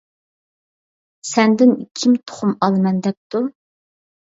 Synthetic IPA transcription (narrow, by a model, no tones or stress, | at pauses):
sɛnd̪ɪnḭkʲʰimt̪ʰʊ̥χʊmɑlˠɨmɛnd̪ɛp̚t̪ʰu